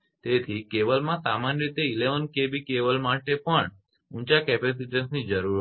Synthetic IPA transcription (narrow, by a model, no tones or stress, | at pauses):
t̪et̪ʰikeʋəlmãsamanɾit̪eileʋənkebikeʋəlmaʈepəɳ | ũnt͡ʃakɛpes̬iʈənsnid͡ʒəɾuɾ